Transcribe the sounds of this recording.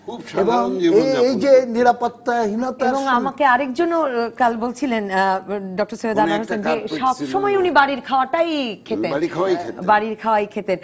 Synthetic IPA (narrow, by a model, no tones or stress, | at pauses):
eboŋeejd͡ʑeniɾapot̪ːaɦinot̪eboŋamakeaɾekd͡ʑonːokalbolt͡ɕʰilenɖɔk̚ʈoɾseɦod̪aaɦoend͡ʑeʃɔbʃɔmɔeunibaɾiɾkʰaoaʈajkʰet̪eebaɾiɾkʰaoajkʰet̪en